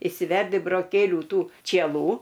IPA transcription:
ɪʃʲsʲɪˈʋʲɛrʲdʲɪ broːˈkʲeːlʲuː ˈtuː t͡ʃʲiɛˈlˠuː

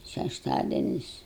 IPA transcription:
ʃʲɛʃˈtɑːdʲɛnʲɪs

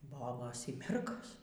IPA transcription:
ˈboːboːs iː ˈmʲɛrɡoːs

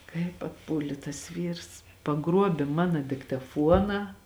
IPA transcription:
kɐɪp ɐtˈpuːlʲeː tɐs ˈʋʲiːrs pɐˈɡruɔbʲeː ˈmɑːnɐ dʲɪktɐˈfuɔnɑː

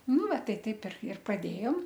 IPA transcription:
ˈnʊ ˈʋɐ ˈtɐɪ ˈtɐɪp ɪr ɪr prɐˈdʲeːjoːm

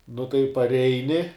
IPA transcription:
nʊ tɐɪ pɐrʲˈɛɪnʲɪ

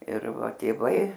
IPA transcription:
ɪr ˈʋɐ tʲeːˈʋɐɪ

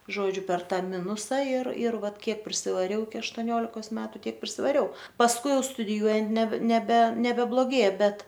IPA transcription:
ˈʒoːd͡ʒʲʊ pʲɛr ˈtɑː ˈmʲɪnʊsɐ ɪr ɪr ˈʋɐt ˈkʲiɛk pʲrʲɪsʲɪʋɐˈrʲɛʊ ɪkʲɪ ɐʃtoːˈnʲoːlʲɪkoːs ˈmʲæːtʊ ˈtʲiɛk pʲrʲɪsʲɪʋɐˈrʲɛʊ pɐsˈkʊɪ ˈjɛʊ stʊdʲɪˈjuɔjɛnt nʲɛ nʲɛˈbʲɛ nʲɛbʲɛblˠoːˈɡʲeːjɛ ˈbʲɛt

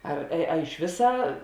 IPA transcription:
ˈɐr ɐ ɪʃ ˈʋʲɪsɑː

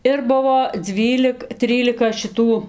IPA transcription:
ˈɪr ˈbʊʋoː ˈd͡zʲʋʲiːlʲɪk ˈtʲrʲiːlʲɪkɐ ʃʲɪˈtuː

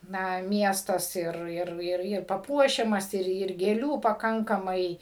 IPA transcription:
ˈnɐ ˈmʲiɛstɐs ˈɪr ˈɪr ˈɪr ɪr pɐˈpuɔʃʲɛmɐs ˈɪr ɪr ɡʲeːˈlʲuː pɐˈkɐŋkɐmɐɪ

